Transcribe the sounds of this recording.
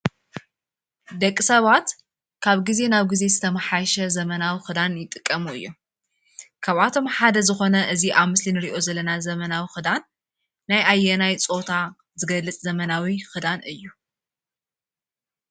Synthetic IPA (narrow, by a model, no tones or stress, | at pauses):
d̪ɐkʼːisɐβat̪ | kʰaβɡize̞naβɡize̞zɨt̪ʰɐmɐħajʃɐzɐmɐnawixɨd̪anjɪt̪ʼɨkʼːɐmuɨ̰jːo | kʰaβat̪ʰo̞mħad̪ɐzɨxo̞nɐʔɨziʔaβmɨslinɨɾiʔo̞zɐlːɐnazɐmɐnawixɨd̪anː | ajʔajːɛnajt͡sʼo̞t̪ʰa | zɨɡɐlːɨt͡sʼzɐmɐnawixɨd̪anɨjːu